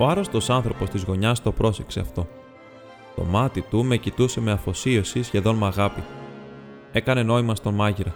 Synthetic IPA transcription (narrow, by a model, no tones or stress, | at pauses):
o̞ɐɾo̞st̪o̞sɐnθɾo̞po̞st̪izɣo̞ɲɐst̪o̞pɾo̞se̞kse̞ɐft̪o̞ | t̪o̞̰mɐt̪it̪ume̞cit̪use̞me̞ɐfo̞sio̞sisçe̞ðo̞nmɐɣɐpi | e̞kɐne̞no̞imɐst̪o̞nmɐʝiɾɐ